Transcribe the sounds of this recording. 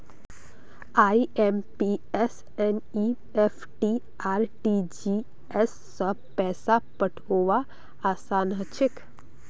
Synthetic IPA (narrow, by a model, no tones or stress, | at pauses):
aːiempies | ɛni | epʰʈi | aːɾʈid͡ʒi | esːə | pɛːsapəʈʰoːʋa | aːsaːnɦət͡ʃʰɪk